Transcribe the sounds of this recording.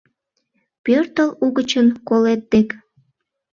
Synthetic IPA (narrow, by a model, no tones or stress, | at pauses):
pørt̪əluɣət͡ɕənkolet̪̚ːek